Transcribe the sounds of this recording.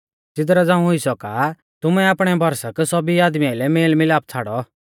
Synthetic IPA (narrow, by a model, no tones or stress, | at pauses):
t͡sɪt̪̬ɾad͡zãːũɦʊisɔka | t̪ʊmɛaːpɽ̃ɛbʱɔɾsaksɔbiaːd̪mijaɪlɛmeːlmɪlaːp̚t͡sʰaːɽɔ